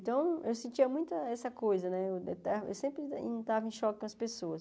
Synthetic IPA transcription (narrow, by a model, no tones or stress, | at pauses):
t̪ɐ̃w̃ewsẽnt͡ʃiɐmũj̃t̪ɐɛsɐkojzɐnɛewet̪aḛwsẽmpɾɪḭ̃t̪avɐẽʃɔkɪkõɐspesoɐs